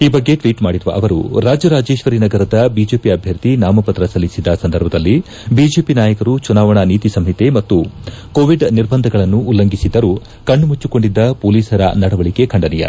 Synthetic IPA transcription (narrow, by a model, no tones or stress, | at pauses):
iːbɐɡːe̞ʈʋiːʈmaːɽiɾuʋɐ̰ʔɐʋɐɾṵɾaːd͡ʒɐɾaːd͡ʒe̞ːʃʋɐɾinɐɡɐɾɐd̪ɐbiːd͡ʒe̞ːpiɐbʱjɐɾt̪inaːmɐpɐt̪ɾɐsɐlːisid̪ɐsɐnd̪ɐɾbʱɐd̪ɐlːi | biːd͡ʒe̞ːpinaːjɐkɐɾut͡ʃunaːʋɐɳɐniːt̪isɐmɦit̪e̞mɐt̪ːu | koːʋiɖniɾbɐnd̪ʱɐɡɐɭɐnːuːlːɐŋɡisid̪ɐɾu | kɐɳːumut͡ʃːuko̞ɳɖid̪ːɐpoːliːsɐɾɐ̰nɐɽɐʋɐɭike̞kʰɐɳɖɐnijɐ̰